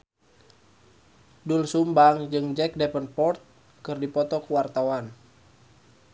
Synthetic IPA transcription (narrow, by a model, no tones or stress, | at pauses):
dulsumbaŋd͡ʒɨŋd͡ʒɛk̚dɛpənpɔrt̪̚ | kɨrdipɔt̪ɔkuwart̪awan